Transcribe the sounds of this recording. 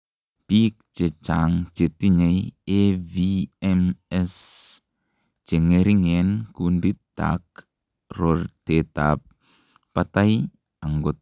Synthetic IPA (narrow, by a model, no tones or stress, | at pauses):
pik̚t͡ʃɛt͡ʃaŋt͡ʃet̪iɲejeviɛmɛs | t͡ʃɛŋeɾiŋɛnkunditd̪a̰k̚ | rɔrt̪et̪a̰p̚ː | at̪aj | aŋɡɔt̪